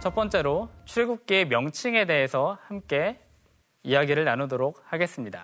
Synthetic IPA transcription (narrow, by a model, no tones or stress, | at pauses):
t͡ɕʌp͈ʌnt͡ɕ͈e̞ɾot͡ɕʰuɭɡuk̚k͈iːmjʌŋt͡ɕʰiŋe̞de̞ɦesʰʌhamk͈e̞ | ijaɡiɾɯɭnanodoɾok̚haɡe̞s͈ɯmɲida